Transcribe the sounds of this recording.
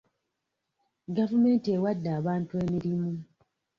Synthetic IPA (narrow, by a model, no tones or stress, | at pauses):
ɡavume̞ːntiewadːaːβaːntueːmiɾimu